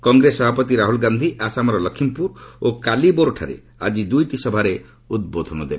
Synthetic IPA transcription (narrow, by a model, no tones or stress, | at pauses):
kɔŋɡɾesɔbʱapɔt̪iɾaɦulɡand̪ʱiʔasamɔɾɔlɔkʰimpuɾokaliboɾʈʰaɾḛ | a̰d͡ʒid̪ujʈisɔbʱaɾe | ud̪̚bod̪ʱɔnɔd̪ebe